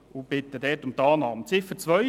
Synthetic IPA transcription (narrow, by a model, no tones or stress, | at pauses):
ʊbɪt̪ːəd̪ɛtʊmt̪ɑːnɑːmt͡sɪfət͡sʋœ